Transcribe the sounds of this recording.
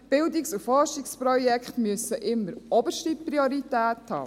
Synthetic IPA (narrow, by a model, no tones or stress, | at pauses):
b̥ɪldiksufɔɾʃikspɾɔjɛkχtmyəsəʔɪmːəɾɔbəʃtipɾioɾitæːthɑ̰ː